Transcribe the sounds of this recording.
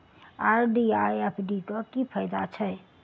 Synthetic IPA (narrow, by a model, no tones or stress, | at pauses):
aːɾɖiajepʰɖiʈɔkkipʰəjd̪at͡ʃʰə